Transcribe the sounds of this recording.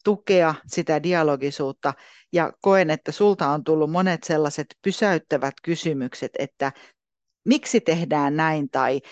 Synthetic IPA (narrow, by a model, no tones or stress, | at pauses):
t̪ukeɑsit̪ædiɑloɡisuːt̪ːɑ | jɑ̰koenet̪ːæsult̪ɑont̪ulːummonet̪selːɑset̪pysæyt̪ːæʋæt̪kysymykset̪ḛt̪ːæ | miksit̪ehdæːnnæint̪ɑi